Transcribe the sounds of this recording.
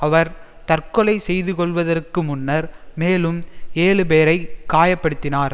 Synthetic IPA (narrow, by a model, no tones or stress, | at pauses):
ɐʋɐɾ | t̪ɐrkɔlɐɪsɛjðɯkɔɭʋɐðɐrkɯmʊnːɐɾmeːlɯmeːlɯpeːɾɐɪkːaːjɐpːɐɽɯt̪ːɪnaːɾ